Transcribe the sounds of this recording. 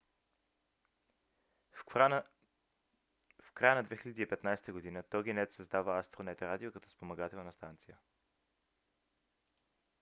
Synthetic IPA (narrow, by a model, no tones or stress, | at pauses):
fkɾajənɐd̪vɛxilʲəd̪iːpɛt̪najsɛ̥t̪əɡod̪inət̪ɔɡ̟inɛt̪sɐzd̪avəast̪ɾonɛt̪ɾad̪iokɐt̪ɔ̥spomɐɡat̪ɛlˠnɐst̪ant̪sijə